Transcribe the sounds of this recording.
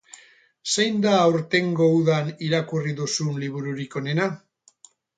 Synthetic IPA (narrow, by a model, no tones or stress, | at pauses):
se̞jnd̪aːwɾt̪e̞ŋɡo̞uðaniɾakuriðusunliβuɾuɾiko̞ne̞na